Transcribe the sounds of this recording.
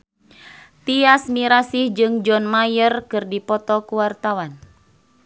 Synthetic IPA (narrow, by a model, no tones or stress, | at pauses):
t̪iasmiɾasihd͡ʒɨŋd͡ʒɔnmajərkɨrdipɔt̪ɔkuwart̪awan